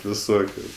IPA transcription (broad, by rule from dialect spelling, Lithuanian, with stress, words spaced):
ʋʲɪˈsoːkʲʊ